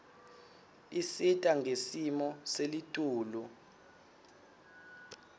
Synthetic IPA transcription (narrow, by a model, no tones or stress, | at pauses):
isitʼaŋʱesimɔselitʼuːlu